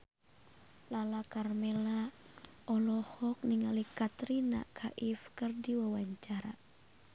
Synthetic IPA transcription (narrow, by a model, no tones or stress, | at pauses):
lalakarmɛla | ʔɔlɔhɔk̚niŋalikat̪ɾina̰kʰaʔifkɨrdiwawaɲt͡ʃaɾa̰